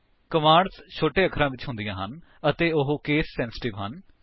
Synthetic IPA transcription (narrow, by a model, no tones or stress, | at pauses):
kəmaːɾst͡ʃʰoːʈeːəkʰɾãːʋɪt͡ʃɦʊ̃nd̪ijãːɦənət̪eːʊɦkeːsːɛ̃ːnsɪ̥ʈɪʋɦən